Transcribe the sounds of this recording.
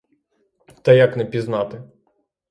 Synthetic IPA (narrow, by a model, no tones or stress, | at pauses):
t̪ɛjɐknɛpʲiznɑt̪ɪ